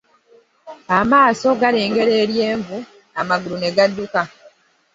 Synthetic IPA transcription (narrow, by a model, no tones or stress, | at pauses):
amaːso̞ɡaɾe̞ːŋɡe̞ɾe̞ːɾje̞ːɱvu | amaɡuɾune̞ɡadːuka